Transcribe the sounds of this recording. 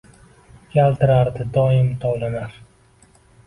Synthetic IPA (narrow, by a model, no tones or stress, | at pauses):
kʲʰalt̪ɪɾaɾd̪ɪd̪ɒɪmt̪ʰɒlanaɾ